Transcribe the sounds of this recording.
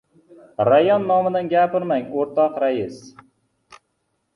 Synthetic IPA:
ɾajɒnːɒmɪd̪anɡʲapɪɾmaŋoɾt̪ʰɒqɾajɪs

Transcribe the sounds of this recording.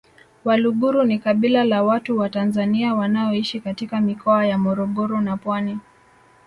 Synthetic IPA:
waluɠuɾunikaɓilalawatuwatanzaniawanaɔiʃikatikamikɔajamɔɾɔɠɔɾɔnapwani

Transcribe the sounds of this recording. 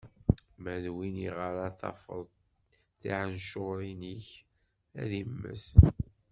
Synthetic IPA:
mæðwiniʁaɾɑθɑ̰fə̰ðˤ | θiʕənʃoʁɾiniç | æ̰ðimːə̰s

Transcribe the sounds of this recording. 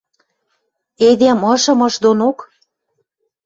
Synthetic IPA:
ed̪emɤ̆ʃɤ̆mɤ̆ʃd̪onok

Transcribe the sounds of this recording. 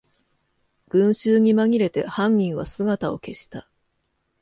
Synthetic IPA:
ɡ̥ɯ̟̃ɰ̃ɕɨːɲ̟imaɡʲiɾe̞t̪e̞̰hãɲ̟ːĩɰ̃βasɨɡat̪ao̞̰ke̞ɕi̥t̪a

